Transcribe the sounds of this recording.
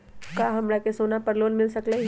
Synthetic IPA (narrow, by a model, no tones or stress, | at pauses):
kaːɦɐmɾakesoːnapɐɾloːnmɪlsɐkle